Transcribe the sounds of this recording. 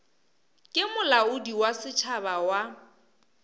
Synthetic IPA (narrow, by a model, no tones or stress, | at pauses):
kʼɪmʊlaʊdiwasɪt͡ʃʰabawa